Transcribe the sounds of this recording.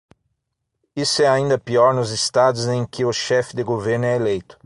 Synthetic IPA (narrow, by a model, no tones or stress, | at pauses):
isʊɛaĩnd̪ɐpiɔɾnʊzɪst̪ad̪ʊzẽj̃kɪʊʃɛfɪd̪ɪɡoveɾnʊɛelejt̪ʊ̥